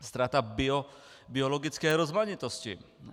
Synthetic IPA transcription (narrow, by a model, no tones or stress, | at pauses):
st̪ɾat̪abiɔ | biɔlɔɡʲit̪skɛjɾɔzmaɲit̪ɔst͡ɕḭ